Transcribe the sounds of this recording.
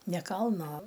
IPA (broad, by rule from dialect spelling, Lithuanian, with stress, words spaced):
nʲɛ ˈkɐlˠnoː